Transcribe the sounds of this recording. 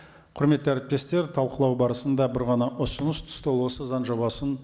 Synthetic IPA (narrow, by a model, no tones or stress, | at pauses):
qʰʊɾme̞t̪ːɪæɾɪp̚t̪e̞st̪e̞ɾt̪ʰɑlˠqəlˠɑwbɑɾəsənd̪ɑbɪɾʁɑnɑʔʊsənəst̪ʰʊ̥st̪olˠwosəzɑnʒoβɑsən